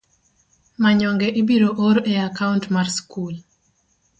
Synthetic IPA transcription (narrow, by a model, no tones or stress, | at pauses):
maɲɔŋɡɛʔibiɾoʔoɾeakaʊntmarskul